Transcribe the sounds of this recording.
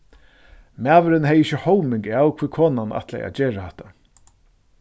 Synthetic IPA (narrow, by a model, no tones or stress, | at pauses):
mæːʋɪɾɪnhɛjɪçɪhɔwmɪŋkaːwkʰvɪːkʰoːnana̰ht̪lɛ̰jʔa̰t͡ɕeːɾahɛht̪ḁ